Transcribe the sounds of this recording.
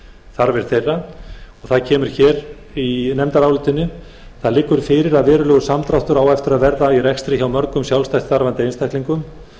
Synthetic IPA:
θaɾvɛɾ̥θejrːaɔɣθaðcʰɛːmʏɾ̥çɛːɾ | inɛmt̪aɾaːwlɪt̪ɪnːʏ | θaðlɪːkːʏɾ̥fɪɾɪɾaðvɛːɾʏlœːɣʏsamt̪ɾawht̪ʏɾaːwɛft̪ʏɾaðvɛɾðairɛkst̪ɾɪçawmœɾkʏmsjawlst̪ajt̪sθaɾvant̪ɪejnst̪ʰahk̪liŋkʏm

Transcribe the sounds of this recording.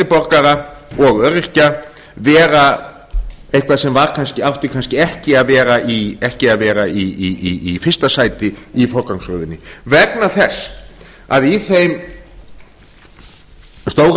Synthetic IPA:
ɪpɔɾkaɾaɔɣœɾɪr̥ca | vɛːɾa | ejhkʰvaðsɛmvaɾkʰanscɪawht̪ɪkʰanscɪɛhcɪaðvɛːɾaʔiɛhcɪaðvɛːɾaiiiifɪr̥st̪asaːjt̪ɪifɔɾkawŋshœɣðɪnːɪvɛknaθɛsː | a̰ðiθejm | st̪oːwɾ

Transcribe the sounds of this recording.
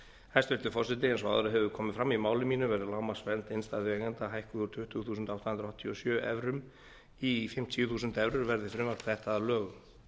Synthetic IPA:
hajst̪œlt̪ʏ̥fɔrsɪt̪ɪɛnsɔa̰ðɾʏɦɛvʏkʰɔːmɪfɾamːimaːwlɪmiːnʏvɛɾðɪlaːwmasvɛlt̪enst̪aðɪɛːkɛnt̪aɦajhkʏðʏɾ̥t̪ʰʏht̪ʏɣθuːsʏnt̪awt̪anɾɔht̪ʰːiɔsjœːʔɛ̰vɾʏm | ifɪm̥t̪ʰiːʏθuːs̬ʏnt̪ɛvɾʏɾvɛɾðɪfɾɪmaɾθɛht̪alœːɣʏ

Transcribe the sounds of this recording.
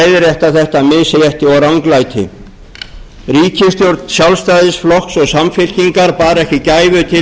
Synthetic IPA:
jðɪɾjɛht̪aθɛht̪amɪðsejɛht̪ɪɔɾawŋklajt̪ʰɪ̰ | riːcɪst̪jowɾt̪nsjawlst̪aːðɪsflɔhksɔɣsamfɪl̥ciŋkaɾpaːɾɛhcɪcaːjvʏt̪ʰɪ

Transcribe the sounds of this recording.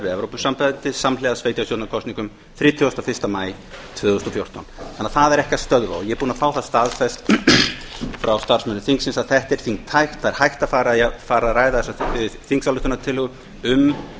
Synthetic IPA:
ɾvɪɛvɾowpʏsampajnt̪ɪsamlɛɣðasveːjt̪jast̪jowt̪nakʰɔst̪niŋkʏm | θɾiːt̪ʰjɔst̪afɪr̥st̪amaːj | t̪ʰvʏːðʏst̪ɔfjowr̥t̪ɔnɛnːaθaðɛɾɛhcast̪œðɾva̰jɛɛɾpuːnafaːwθaðst̪aðfɛst̪ | fɾawst̪aɾ̥smɛnːʏθiŋksɪnsaðθɛht̪ɛɾ̥θiŋt̪ʰajxt̪θaðɛɾ̥hajht̪aðfaːɾafaːɾaɾaːjðaθɛsaθiŋksalʏht̪ʏnat̪ʰɪlʏɣʏ | ʏm

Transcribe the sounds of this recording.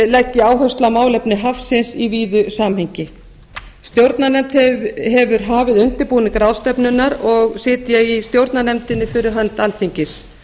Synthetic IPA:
lɛcːɪaːwɦœst̪lamaːwlɛpnɪɦafsɪnsiviːðʏsaːmɦeɲcɪ | st̪jowɾt̪nanɛmt̪hɛɦɛvʏɾɦaːvɪðʏnt̪ɪpuːnɪkɾaːwst̪ɛpnʏnːaɾɔɣsɪːt̪ɪjaɣist̪jowɾt̪nanɛmt̪ɪnːɪfɪɾɪɾɦant̪alt̪ʰiɲcɪs

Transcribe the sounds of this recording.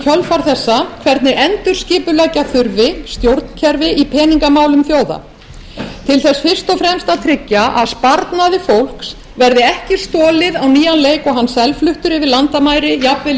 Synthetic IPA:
cʰœlfaɾ̥θɛsːakʰvɛɾt̪nɪʔɛnt̪ʏɾ̥scɪːpʏlɛcaθʏɾvɪst̪jowɾt̪ncʰɛɾvɪʔipʰɛːniŋkamaːwlʏmθjoːwða̰ | t̪ʰɪlθɛsfɪr̥st̪ɔfɾɛmst̪aðt̪ʰɾɪcːaʔaðspaɾt̪naðɪfowl̥ks | vɛɾðɪɛhcɪ̥st̪ɔːlɪðawniːjanleːjkɔɣɦanːsɛlflʏht̪ʏɾɪvɪlant̪amaːjɾɪjapvɪl

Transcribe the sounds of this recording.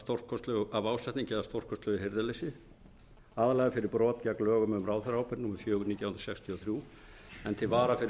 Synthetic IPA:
st̪owr̥kʰɔst̪lʏɣʏavaːwsɛht̪niŋɲcɪðast̪owr̥kʰɔst̪lœɣɪheɾðɪlɪsɪ | aːðalɛːɣafɪɾɪɾpɾɔːt̪caklœːɣʏmðʏmraːwθɛɾhawpɪɾnuːmaɾfjœːɣʏnit̪jawhnɾsɛkst̪ʰiɔθɾjuː | ɛnt̪ʰɪlvaːɾafɪɾ

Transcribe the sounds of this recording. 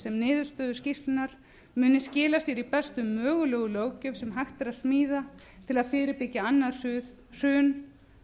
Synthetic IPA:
sɛmnɪːðʏɾ̥st̪œːðʏ̥scist̪ɪnaɾ̥ | mʏːnɪscɪːlast̪jɛɾipɛst̪ʏmːœːɣʏlœːɣʏloːwcʏmsɛmɦajxt̪ɛɾaðsmiːða | t̪ʰɪlaðfɪːɾɪɾpɪcːaanːa | r̥ʏːn

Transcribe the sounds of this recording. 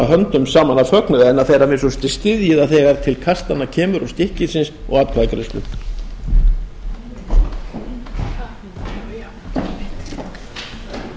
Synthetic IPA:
aɦœnt̪ʏmsaːmanafœknʏvɛɛnaðθejɾamɪsɔst̪ɪst̪ɪðjɪðaθɛːɣaɾ̥t̪ʰɪlkʰast̪anːacʰɛːmʏɾɔst̪ɪhcɪsɪnsɔ̰ɣaːt̪kʰvakɾɛst̪ʏ̰

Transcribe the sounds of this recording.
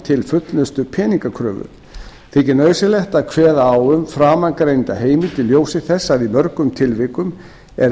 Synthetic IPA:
t̪ʰɪlfʏt̪lʏst̪ʏpʰɛːniŋkakʰɾœːvʏ̰̥ | θɪcɪnœːɥsɪlɛht̪akʰvɛːðaaːwʏmfɾaːmaŋkɾejnt̪aɦeːjmɪt̪ʰɪlːjoːwsɪθɛsːaðimœɾkʏmt̪ʰɪlvɪkʏm | ɛɾ

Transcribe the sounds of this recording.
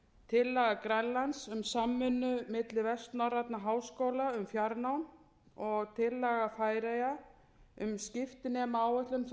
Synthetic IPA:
t̪ʰɪlːɛɣakɾɛnlansʏmsamːʏnːʏmɪt̪lɪvɛst̪narat̪naɦaːwskoːwlaʏmfjaɾnawn | ɔɣt̪ʰɪlːɛɣafaːjɾaja | ʏmscɪft̪ɪnɛːmaaːwœht̪lʏnθ

